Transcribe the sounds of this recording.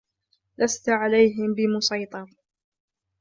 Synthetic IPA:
last̪ʕalajɦɪmbɪmʊsɑjt̪ˤɑɾˤ

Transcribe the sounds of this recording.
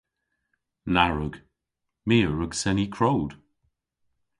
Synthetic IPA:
naɹʊɡ | miːəɹəɡsɛnikʰɹowd̥

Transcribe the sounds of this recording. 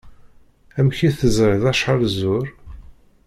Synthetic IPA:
æmçiθəzɾɪðæʃħəlzʊɾ

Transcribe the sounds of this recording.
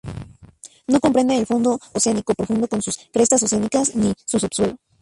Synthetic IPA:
no̞ko̞mpɾe̞nd̪eːlfond̪o̞ːseanikopɾofũnd̪o̞ko̞nsuskɾe̞st̪as̬oseanikasnisusubswe̞lo̞

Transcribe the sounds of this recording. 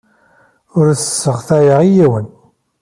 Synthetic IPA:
ʊɾsə̥sːəʁθæjəʁijiwən

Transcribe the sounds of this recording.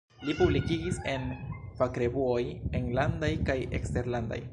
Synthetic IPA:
lipublikiɡise̞npakɾe̞buojeŋlandajkajḛkste̞ɾlanda̰j

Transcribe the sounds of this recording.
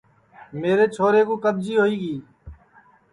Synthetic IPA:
meːɾeːt͡ʃʰoːɾeːkõːkəb̚d͡ʒiːɦoːiːɡiː

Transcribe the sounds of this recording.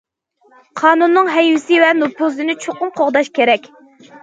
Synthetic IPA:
qʰɑːnunːɨŋɦɛjwɪsɪvɛnopʰuzɨnɪt͡ʃʰoqʊmqʰoʁd̪ɑʃkʲʰeɾɛkʲ

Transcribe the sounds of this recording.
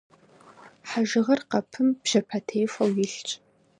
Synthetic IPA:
ħaʒɪʁɐrqɐpʰɨmb̥ʒ̥ɐpʰɐtʰejfʷɐwjɪɬt͡ʃʼ

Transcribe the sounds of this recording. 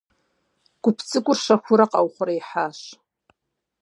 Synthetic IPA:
ɡ̥ʷʊpʰt͡sʼɨkʷʼʊrʂaχʷʊɾaqʼawχʷʊrajħaʂ

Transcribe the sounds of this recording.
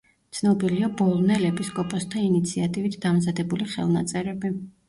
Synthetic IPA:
t̪sʰnɔbiliabɔlˠnɛlɛpiskʼɔpʼɔst̪ʰainit̪sʰiat̪ʼivit̪ʰd̪amzad̪ɛbuliχɛ̰lˠnat̪sʼɛɾɛbi

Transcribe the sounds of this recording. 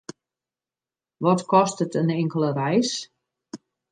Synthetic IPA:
ʋɔtkɔstətənɪŋkəlˠərɛjs

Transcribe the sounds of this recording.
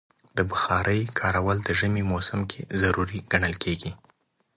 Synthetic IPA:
d̪əbʊxɑɾəjkʰɑɾawəld̪əʒəmemosamkʰezaɾuɾiɡ̥aɳəlkʰeɡi

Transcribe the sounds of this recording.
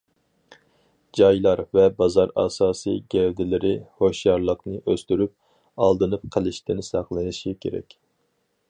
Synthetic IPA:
d͡ʒɑjlˠɑɾvɛbɑzɑɾɑ̰ːsɑːsɨ̰jɡʲɛvd̪ɪlɪɾɪhoʃjɑɾlˠəqnɨʔøst̪yɾyp̚ | ɑlˠd̪ɨnɨp̚qʰəlˠɪʃt̪ʰɪnɪsɑqlˠɨnɨʃikʲʰḛɾɛ̰kʲ

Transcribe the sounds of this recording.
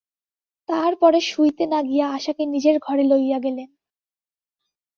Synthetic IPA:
t̪aɾpɔɾeʃujt̪enaɡijaaʃakenid͡ʑeɾɡʱɔɾelojːaɡelen

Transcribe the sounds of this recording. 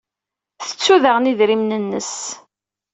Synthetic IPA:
θə̥t͡sːuðəʁniðɾimnənːəs

